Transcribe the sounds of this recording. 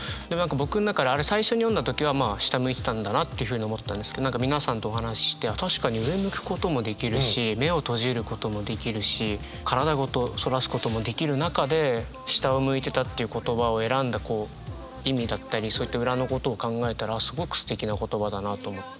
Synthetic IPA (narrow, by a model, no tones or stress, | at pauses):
d̪emãŋkabo̞kɯ̟nnakad̪eaɾe̞saiɕo̞ɲ̟ijond̪at̪o̞kʲiβ̞amaːɕi̥t̪amɯ̟it̪e̞t̪ãnd̪anat̪ːe̞iɯ̟ɸɯ̟ɲ̟io̞mo̞t̪ːeːãnd̪esɨ̥ked̪onãŋkamʲinasãnt̪o̞ːɦanaɕi̥ɕi̥t̪e̞at̪aɕi̥kaɲ̟iɯ̟e̞mɯ̟kɯ̟̥ko̞t̪o̞mo̞d̪e̞kʲiɾɯ̟ɕime̞o̞t̪o̞ʑiɾɯ̟ko̞t̪o̞mo̞d̪e̞kʲiɾɯ̟ɕi | kʰaɾad̪aɡo̞t̪o̞so̞ɾasɨ̥ko̞t̪o̞mo̞d̪e̞kʲiɾɯ̟nakad̪e̞ | ɕi̥t̪aomɯ̟it̪e̞t̪at̪ːe̞iɯ̟ko̞t̪o̞baoe̞ɾãnd̪ako̞ː | imʲid̪at̪ːaɾʲiso̞ːit̪ːaɯ̟ɾano̞ko̞t̪o̞ːkãŋɡae̞t̪aɾasɨɡo̞kɯ̟̥sɨ̥t̪e̞kʲinako̞t̪o̞bad̪anat̪o̞ːmo